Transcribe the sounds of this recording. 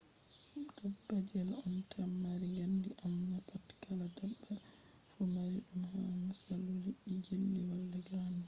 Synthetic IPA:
d̥ɔbːad͡ʒɛlɔntʰamːaɾiɡandiʔamnapatkʰaladabːa | fɔmaɾiɗumhamusaluliʔiɡilːiwalːɛɡɾani

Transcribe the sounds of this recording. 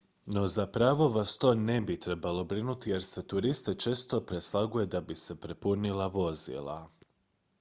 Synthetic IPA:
no̞zapɾaʋo̞ʋast̪o̞ne̞bit̪ɾe̞balo̞bɾinut̪ije̞ɾse̞t̪uɾist̪e̞t͡ʃe̞ːst̪o̞pɾe̞slˠaɡuje̞d̪abise̞pɾepunilˠaʋo̞zḭlˠa̰

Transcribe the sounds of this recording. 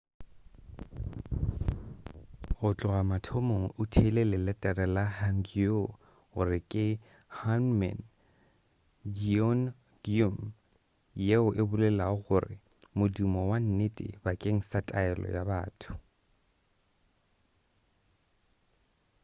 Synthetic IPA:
ɣʊt͡ɬʼʊɣamatʰomoŋ̩ʊtʰelɛlɪlɛtʼɛrɛlahaŋ̩ɡio | ɣʊ̰rɪkʼɪ | hanmɛ̰n | ɡiɔn | dum | jeʊʔebʊlɛlaʊɣʊrɪ̰ | mʊdumɔwan̩netʼɪ̰bakʼeŋ̩satʼaɛlɔ̰jabaːtʰʊ̥

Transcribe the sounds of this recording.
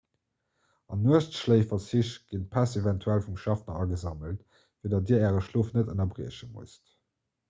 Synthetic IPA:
ɑ̰nːuəʃtʃləɪfɐt͡siɕɡ̥inpʰæsevæntʰuælfumʃɑfnɐɑɡəzɑməlt | viədɑt̚diːɐæːʁəʃloːfnətənɐbʁiəɕəmṵəst

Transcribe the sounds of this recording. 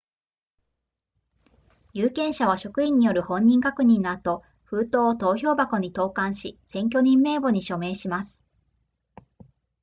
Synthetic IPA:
jɯːkẽ̞ɰ̃ɕaβ̞aɕo̞kɯ̟ĩɲ̟ːijo̞ɾɯ̟hõ̞ɲ̟ːĩŋkakɯ̟ɲ̟ĩnːat̪o | ɸɯ̟ːt̪o̞ːt̪o̞ːço̞ːbako̞ɲ̟it̪o̞ːkãɰ̃ɕisẽ̞ŋk̬ʲo̞ɲ̟ĩmːe̞ːbo̞ɲ̟iɕo̞me̞ːɕimasɨ̥

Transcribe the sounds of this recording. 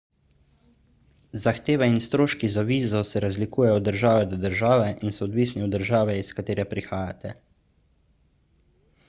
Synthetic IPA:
zaxt̪eːʋɛinst̪ɾoːʃkizaʋiːzɔsɛɾazlikuːjɛjɔd̪əɾʒaːʋɛd̪ɔd̪əɾʒaːʋɛʔinsɔːd̪ʋiːsniɔd̪əɾʒaːʋɛiskat̪eːɾɛpɾixaːjat̪ɛ

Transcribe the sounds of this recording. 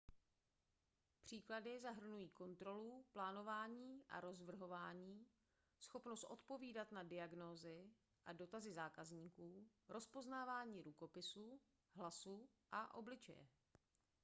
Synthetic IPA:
pr̝̥iːkladɪzaɦr̩nujiːko̞nt̪ɾo̞luplaːno̞vaːɲiːʔa̰ɾo̞zvr̩ɦo̞vaːɲiː | sxo̞pno̞st̪ʔo̞t̪po̞viːdat̪nadɪaɡnoːzɪ | ʔado̞t̪azɪzaːkazɲiːkuː | ɾʔo̞spo̞znaːvaːɲiːɾuko̞pɪsuː | ɦlasu | ʔaʔo̞̰blɪt͡ʃɛ̰jɛ̰

